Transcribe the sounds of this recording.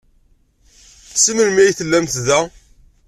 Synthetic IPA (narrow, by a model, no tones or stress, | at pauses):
sənəlmæjiθəlːæmt̪ðæ